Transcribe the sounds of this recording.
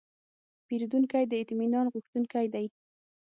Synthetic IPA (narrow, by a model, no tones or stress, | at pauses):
piɾd̪uŋkajd̪əɪt̪minɑnɣuxt̪uŋkajd̪aj